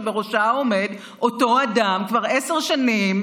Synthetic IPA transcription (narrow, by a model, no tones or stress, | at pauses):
vbeʁoʃaome̞d | o̞to̞adamkvaʁeseʁʃanim